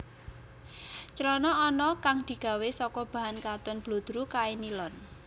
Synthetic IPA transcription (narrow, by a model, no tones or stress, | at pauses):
t͡ʃəlɔnɔːnɔkaŋd̪̥i̤ɡ̥a̤wesɔkɔb̥a̤ɦankat̪ʊnb̥lod̪̥ɾukaenilɔn